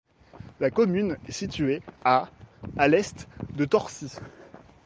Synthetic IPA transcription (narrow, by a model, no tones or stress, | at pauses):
lakɔmynɛsit̪ɥeaː | lɛst̪d̪ət̪ɔʁsi